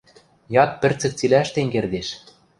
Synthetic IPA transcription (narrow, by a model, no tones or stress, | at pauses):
jɑt̪̚pɘ̆rt͡sɘ̆k̚t͡silæʃt̪eŋɡerd̪eʃ